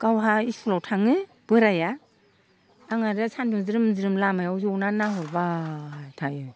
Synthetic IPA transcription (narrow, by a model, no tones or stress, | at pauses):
kawɦaisʰulawtʰaŋɯ | b̥ɯɾaja | aŋaɾɯsʰanduŋziɾɯmziɾɯmlamajawzɔwnanaɦɯbatʰajɯ